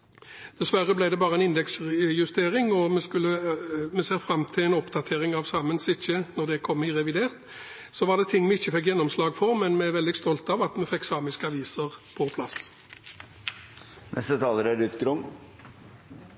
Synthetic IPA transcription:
d̪̥ɛsʋæʁəblæɪd̪ɛbɑːʁəɛnɪnd̪ɛksjʉst̪eːʁɪŋɔmɛskʉlːəmɛseːʁfʁɑmt̪ʰɪlɛɪnɔpd̪ɑt̪ʰeːʁɪŋɑʋsɑːmənsɪçːənɔʁd̪ɛkʰɔmːɪʁɛʋɪd̪eːʁt̪ | sɔʋɑʁd̪ɛt̪ʰɪŋːmɛɪçːəfɛkːjɛnːɔmslɑːɡfɔʁmɛnmɛæʋɛld̪ɪst̪ɔlt̪ɑʋɑt̪mɛfɛksɑːmɪskəɑʋiːsəʁpʰɔpʰlɑs | nʔɛ̰st̪ət̪ʰɑːləɾæɾʉt̪ɡɾʊm

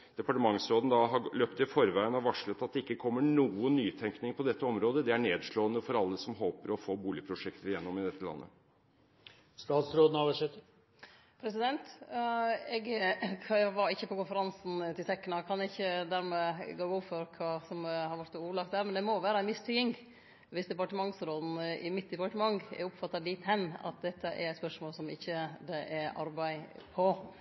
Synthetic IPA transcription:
d̪̥ɛpɑʈəmɑŋsɾoːd̪n̩d̪ɑɦɑløːpt̪ɪfɔɾʋæɪənɔʋɑʂɭət̪ɑt̪d̪ɛɪkːəkʰɔmːəɳuːənːyːt̪ʰɛŋknɪŋpʰɔd̪ɛt̪ːəɔmɾoːd̪əd̪ɛæɳeːd̪ʂɭoːənəfɔɾɑlːəsɔmɦoːpəɾɔfoːbuːlɪpʰɾʊʂɛkt̪əɾɪjɛnːɔmɪd̪ɛt̪ːəlɑ̰nːʔə̰ | st̪ɑːt̪sɾoːd̪n̩ɑʋæʂɛt̪ːə | pʰɾɛsɪd̪ɛnt̪ | ɛɡʰ | ʋɑɾɪçːəpɔkʊnfəɾɑnsn̩t̪ʰɪlsɛkːənɑkʰɑnɛɪçːəd̪æːɾmɛɡoːɡʊːfɔɾkʰɑsɔmhɑɾʋæʈ̪uːlɑkt̪æːɾmɛnd̪ɛmɔʋæːɾɑænmɪst̪ʰʏkɪŋ | ʋɪsd̪ɛpɑʈəmɑŋsɾoːd̪n̩ɪ̰mɪt̪̚d̪ɛpɑʈəmɑŋɛ̰ɾʊpfɑt̪ːɑlɪt̪hɛnːɑ̰t̪̚d̪ɛt̪ːəʔɛ̰ɾɛt̪spœʂmoːlsɔmɪ̰çːəd̪ɛʔɛɾɑ̰ɾbæɪpʰɔ

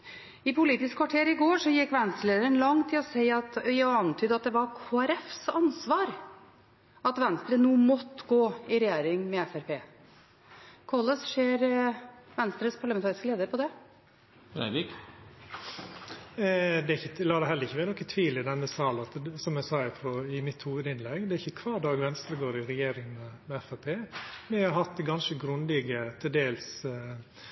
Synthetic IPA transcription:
ɪpʰʊliːt̪ɪskʰʋɑʈʰeːɾɪɡoːʂɔjɪkːʋɛnst̪ɾəleːd̪əɾənlɑŋt̪ʰɪlɔseɪɑt̪œɑnt̪ʰyːd̪ɑt̪̚d̪ɛʋɑɾkʰoːæɾɛfsɑnsʋɑːɾ | ɑt̪ʋɛnst̪ɾənuːmɔt̪ːɡoːɪɾɛjeːɾɪŋmɛɛfæɾpʰeː | kʰɑlːəsʂeːɾʋɛnst̪ɾəspʰɑɭɑmɛnʰɑːɾɪskəleːd̪əɾpʰɔd̪ɛ | ɾæ̰ɪʋɪk | d̪ɛɾɪçːəlɑːd̪æɪɦɛlːəɾɪçːəʋænɔkːənt̪ʰʋiːlɪd̪ɛnːəsɑːlɑt̪sɔmæsɑːæpʰɔɪmɪt̪huːʋəd̪ɪnlɛɡd̪ɛɾɪçːəkʰʋɑːdɑɡʋɛnst̪ɾəɡoːɾɪɾɛjeːɾɪŋmɛmɛɛfæɾpʰeːmɛhɑɾhɑt̪̚d̪ɛɡɑnʃəɡɾʉnlɛɡət̪ʰɪld̪eːls

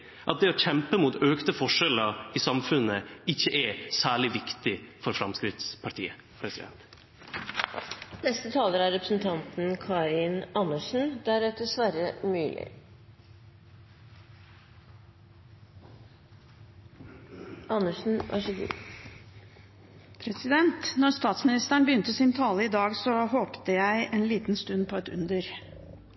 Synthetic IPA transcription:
ʔɑ̰t̪̚d̪ɛoːçɛmpəmuːt̪øːkt̪əfɔʂɛləisɑmfʉnəɪçːəʔɛsæːɭɪʋɪkt̪ɪfɔɾfɾɑmskɾɪt̪spʰɑʈʰḭːə | pʰɾɛsɪd̪ɛ̰nt̪ | nɛst̪ət̪ʰɑːləɾæɾɾɛpɾəsn̩t̪ʰɑnt̪n̩kʰɑːɾɪnʔɑnəʂn̩d̪æɾɛt̪ːəsʋæɾəmyːlʔɪ̰ | ʔɑnəʂn̩ʔɑ̰ʂəɡ̪ḭ | pʰɾɛsɪd̪ɛnt̪nɔɾst̪ɑːt̪smɪnɪst̪æɳbəjʏnt̪əsɪnt̪ʰɑːləiːd̪ɑːɡsɔɦoːpt̪əjæɪʔeːnliːt̪n̩st̪ʉnpʰoːɛt̪ʉ̰nd̪əɾ

